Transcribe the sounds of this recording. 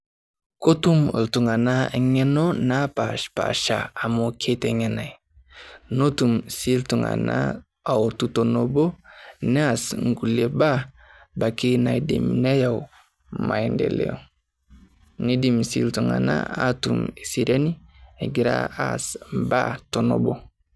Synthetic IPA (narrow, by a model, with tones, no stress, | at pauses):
ko˦tu˦m˨ltu˨ŋa˨na˦ŋe˦no˦na˦pa˨ʃpa̰ʃa̰˨a˨mo˦kʰe˦te˨ŋe˨na˨j | no˦tu˨msi˦ltu˨ŋa̰˨na̰ | a˨wtu˦to˨nobo˦ne˦a˨sŋɡu˨le˦ba˦ | ba˨ki˦na˨i˨dḭ˨mne˦ja˨w | ma˨ji˨ndḛ˨lḛ˦o˨ | ni˦di˨msḭltu˨ŋa̰˨na̰˦atume˨si˨ɾa˦ni˦e˨ɡi˨ɾa̰asba̰˦to˨no̰˨bo˦